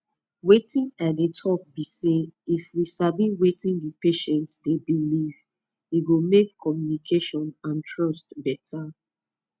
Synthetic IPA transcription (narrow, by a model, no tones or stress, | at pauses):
wetĩnadetʰɔk̚biseifwisabĩwetĩndipeʃɛ̃ntdebiliv | iɡomekːʰɔmjunikʰeʃɔ̃nãntʰɹɔstbɛtʰa